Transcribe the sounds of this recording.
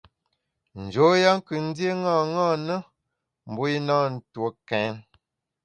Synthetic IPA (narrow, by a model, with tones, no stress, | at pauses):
n̩˨d͡ʒo˨˦ja˦ŋ̩˦kɨ˨n̩˦dje˦ŋa˦˨ŋɔ˦˨nə˦ | m̩˨bo˦i˦nɔ˦˨n̩˨two˨˦kɛ˨˦n